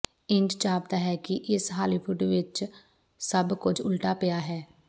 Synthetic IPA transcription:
ɪ̃nd͡ʒd͡ʒaːb̚t̪aːɦɛːkiʔɪsɦaːliːbuɖʋɪt͡ʃ | səbkʊt͡ʃʰʊlʈaːpejaːɦɛː

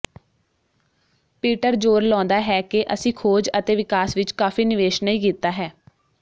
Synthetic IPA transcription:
piːʈəɾd͡ʒoːɾlɔ̃ːnd̪aːɦɛːkeʔəsĩːkʰoːd͡ʒət̪eːʋɪkaːsʋɪt͡ʃkaːfiːnɪʋeːʃnəĩːkiːt̪ːaːɦɛː

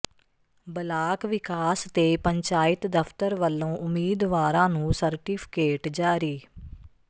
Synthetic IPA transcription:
bəlaːkʋɪkaːst̪eːpəɲt͡ʃaːɪt̪d̪əpʰt̪əɾʋəlːõːʔʊmːiːd̪ʋaːɾãːnũːsəɾʈiːpʰɪ̥keːʈd͡ʒaːɾiː

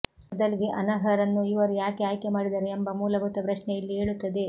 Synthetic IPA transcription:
ɐd̪ɐliɡe̞ʔɐnɐɦɐɾɐnːuiʋɐɾujaːkeaːjkemaːɽid̪ɐɾeːmbɐmuːlɐɡut̪ːɐpɾɐʂɳɛjɐlːieːɭut̪ːɐd̪e̞

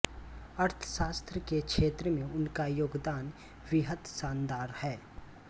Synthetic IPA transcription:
ɐɾt̪ʰʃaːst̪ɾəkekʃeːt̪ɾəmẽʊnkajoːɡd̪aːn | ʋɪɦət̪saːnd̪aːɾhɛː

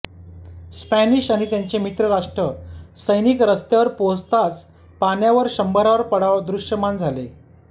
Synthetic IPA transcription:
spæniɕañit̪jaɲt͡ɕemit̪ɾəɾaʂʈɾəsəjnikɾəst̪jaʋəɾpost̪at͡s | panjaʋəɾɕəmbəɾaʋəɾpəɽaʋd̪ɾuʂjəmand͡zʱalḛ

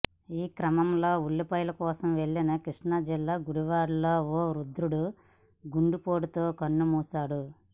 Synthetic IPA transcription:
iːkɾɐmɐmloːuɭːipɐjlɐkɔːsɐmʋe̞ɭːinɐkɾiʂɳɐd͡ʒilːaːɡuɽuʋaːɽuloːoːɾud̪ɾuɽu | ɡuɳɖupoːɽut̪oːkɐnːumuːsaːɽu

